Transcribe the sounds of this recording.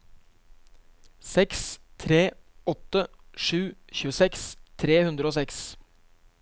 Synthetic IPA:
sɛkst̪ʰɾeːɔt̪ə | ʂʉːçʉːəsɛkst̪ʰɾeːhʉnd̪ɾəoːsɛks

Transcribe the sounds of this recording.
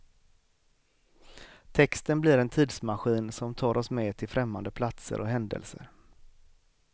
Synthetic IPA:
t̪ʰɛkst̪ənblɪɾɛnt̪ʰiːd̪smaɧiːnsɔmt̪ʰɑːɾɔsmeːt̪ʰɪlfɾɛmːa̰nd̪əpʰlat̪sə̰ɾʔɔɦɛnd̪ə̰lsə̰ɾ

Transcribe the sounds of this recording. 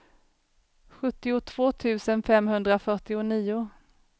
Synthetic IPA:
ɧɵt̪ːɪʊt̪ʰv̥oːt̪ʰʉ̟ːsənfɛmɦɵnd̪ɾafœʈɪʊniːʊ

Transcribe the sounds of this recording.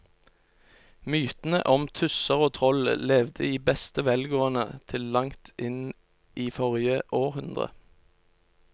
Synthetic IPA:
myːt̪n̩ə̰ʔɔmt̪ʰʉsəʁoːt̪ʰʁɔllɛːʋd̪ə̰iːbɛst̪əʋɛlɡoːənə̰t̪ʰɪllɑŋt̪ʔɪn | ʔiːfɔʁjəʔoːʁhʉnd̪ʁə̰

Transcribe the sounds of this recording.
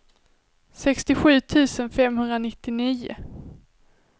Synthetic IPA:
sɛkst̪ɪɧʉ̟ːt̪ʰʉ̟ːsənfɛmhɵnd̪ɾanɪt̪ːɪniːʊ̰

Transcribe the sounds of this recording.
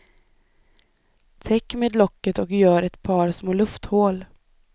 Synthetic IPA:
t̪ʰɛkːmeːd̪lɔkːət̪ɔkjœːɾɛt̪pʰɑːɾsmoːlɵft̪hoːl

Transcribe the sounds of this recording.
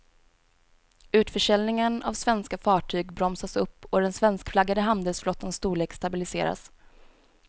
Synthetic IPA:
ʉ̟ːt̪fœʂɛlnɪŋəna̰vsvɛnskafɑːʈʰyːɡbɾɔmsasɵpːɔd̪ɛnsvɛnskflaɡːad̪əɦand̪ɛlsflɔt̪ːənst̪uːɭeːkst̪abɪlɪsḛːɾa̰s

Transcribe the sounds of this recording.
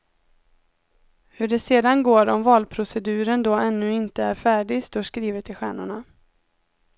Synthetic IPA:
hɵɖɛseːd̪anɡoːɾɔmvɑːlpʰɾʊsɛd̪ʉ̟ːɾənd̪oːɛnːɵɪnt̪əæɾfæːɖɪst̪oːʂkɾiːvət̪ɪɧæ̰ːɳʊɳa

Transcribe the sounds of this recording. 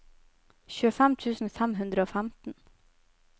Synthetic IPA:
çʉːəfæmt̪ʰʉːsn̩fæmɦʉnd̪ɾəoːfæmt̪n̩

